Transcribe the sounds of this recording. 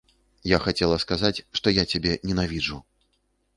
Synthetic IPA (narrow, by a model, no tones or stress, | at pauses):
jaxat͡sʲɛlˠɐskazat͡sʲʂt̪ɔjat͡sʲabʲɛnʲɛnavʲid͡ʐu